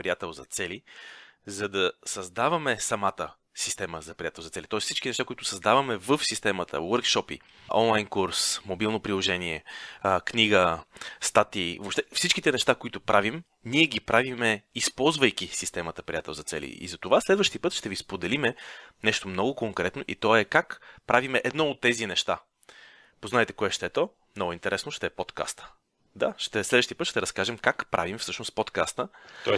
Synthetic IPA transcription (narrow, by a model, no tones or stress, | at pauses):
pɾijat̪ɛlˠzɐt̪sɛli | zɐd̪ɐsɐzd̪avɐmɛsɐmat̪ə | sist̪ɛməzɐpɾijat̪ɛlˠzɐt̪sɛlit̪ɔɛssit͡ʃk̟inɛʃt̪akoit̪ʊsɐzd̪avɐmɛvəfsist̪ɛmət̪ə̰wəɾkʃɔpḭ | ʔɔ̰nlˠajnkuɾsmobilˠnopɾilˠoʒɛniɛkniɡəst̪at̪ivopʃt̪ɛfsit͡ʃkit̪ɛnɛʃt̪akoit̪ʊpɾʔavim | niɛɡ̟ipɾʔavimɛispɔlˠzvəjk̟isist̪ɛmət̪əpɾijat̪ɛlˠzɐt̪sɛ̰lḭḭzɐt̪ovaslɛd̪vəʃt̪ipɤt̪ʃt̪ɛvispod̪ɛlimɛnɛʃt̪omnɔɡʊkoŋkɾɛt̪noʔit̪ɔɛkakpɾavimɛʔɛd̪nɔot̪ːɛzinɛʃt̪a | poznaɛt̪ɛkoɛʃt̪ɛt̪ɔ | mnɔɡʊint̪ɛɾɛsnoʃt̪ɛpot̪ka̰st̪ə̥ | d̪aʃt̪ɛslɛd̪vəʃt̪iəpɤt̪ːʃt̪ɛɾəskaʒɛmkakpɾʔa̰vimfsɤʃnospot̪kast̪ə